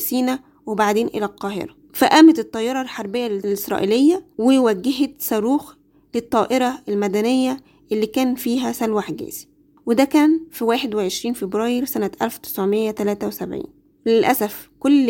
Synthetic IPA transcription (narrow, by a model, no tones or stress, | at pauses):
siːnæ | webaʕd̪eːnʔḛlælqɑːhḛɾɑ | fæʔæːmæt̪et̪ˤːɑjːɑɾˤɑlħɑɾˤbejːælelʔɪsɾˤɑ̰ʔilejːæwewæɡːeɦet̪sɑɾuːx | let̪ˤːɑːʔeɾˤɑʔelmæd̪ænejːæ | ʔelːiːkæːnfiːɦæsælwaħɡæ̰ːzi̥ | wed̪ækæːnfiwæːħed̪weʕeʃɾiːnfebɾɑːjeɾsænæt̪ʔælft̪e̥sʕomejːæt̪ælæːt̪æwesæbʕḭːn | lelʔæsæfkolː